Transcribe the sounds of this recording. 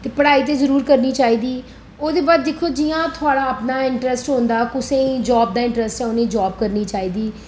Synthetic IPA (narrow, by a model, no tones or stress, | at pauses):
t̪eːpəɽaːiːt̪̬eːzəɾuːɾkəɾniːt͡ʃaːiːd̪iː | oːd̪eːbaːd̪ːɪkʰːoːd͡ʒɪjãːt̪ʰʊaːɽaːəpnaːɪɳʈɾɛsʈɦõːnd̪aːkʊsẽːd͡ʒɔːb̚d̪aːɪ̃ɳʈɾɛsʈɛ̃ʊnẽːd͡ʒɔːb̚kəɾniːt͡ʃaːiːd̪iː